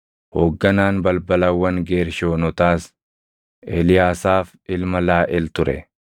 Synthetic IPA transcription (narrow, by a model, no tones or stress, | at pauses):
hoːɡːɐnaːnbɐlbɐlɐwːɐŋɡeːɾʃoːnɔt̪aːs | ʔɛːlɪjaːsaːfʔɪlmɐlaːʔɛlt̪ʊɾɛ̰